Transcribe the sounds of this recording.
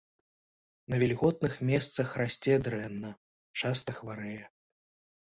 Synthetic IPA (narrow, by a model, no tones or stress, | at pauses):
nɐvʲɛlʲɣɔt̪̚nɨxmʲɛst̪sɐxrasʲt͡sʲɛd̪ɾɛnːɐ | t͡ʂast̪ɐxvaɾɛjɛ